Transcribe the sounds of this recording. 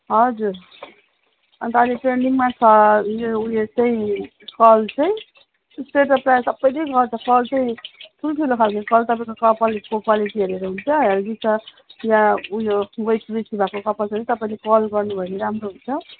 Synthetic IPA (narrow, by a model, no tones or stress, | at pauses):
ɦʌd͡zur | ʌnt̪ʌaleʈrenɖiŋmat͡sʰʌjoujot͡sʌĩ | kʌlt͡sʌĩ | sʈeʈʌprajsʌbːʌjnejkʌt͡sʰʌkʌlt͡sʌĩʈʰulʈʰilokʰalkʌkʌlt̪ʌpaĩkokʌpʌlkokwaliʈiɦʌɾeɾuɦunt͡sʰʌjaɾd͡zit͡sʰʌ | jãujoubʌjprisibʱakokʌpʌlt͡sʌt̪ʌpaĩlekʌlɡʌrnubʱʌeneɾamroɦunt͡sʰʌ